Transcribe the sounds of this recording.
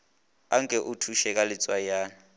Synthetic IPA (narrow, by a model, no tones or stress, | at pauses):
aŋkʼɛʔutʰuʃɛkʼalɪt͡sʼwajaːn